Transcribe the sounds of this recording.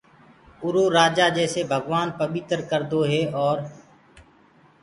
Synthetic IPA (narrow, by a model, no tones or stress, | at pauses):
ʊɾoːɾaːd͡ʒaːd͡ʒɛːseːbʱəɡʋaːnpəɓɪːt̪əɾkəɾd̪oːɦeːʔɔːɾ